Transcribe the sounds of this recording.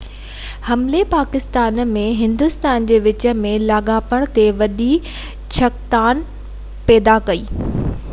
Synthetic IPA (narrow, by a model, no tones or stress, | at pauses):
hɐmlepaːkɪst̪aːnmẽɦɪ̃nd̪ʊst̪aːnd͡ʑeːʋɪt͡ɕə̆mẽlaːɠaːpəɽ̃t̪eʋɐɗi | t͡ɕʰɐkt̪aːn | pɛːd̪akɐiː